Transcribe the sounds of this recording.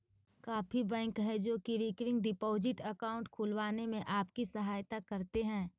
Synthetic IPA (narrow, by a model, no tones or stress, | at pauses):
kaːfʰibɛ̃ːŋkɦɛd͡ʒoːkiʋɪkɾɪ̃ŋɡɖɪpoːzɪʈəkaːʊ̃ɳʈkʰʊlʋaːnemẽʔaːpkisɐɦaːjt̪akɐɾt̪eɦɛ̃ː